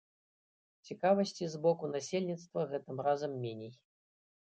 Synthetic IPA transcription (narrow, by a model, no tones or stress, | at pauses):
t͡sʲikavɐsʲt͡sʲizbɔkunasʲelʲnʲit̪st̪vɐɣɛt̪ɨmrazɐmːʲenʲej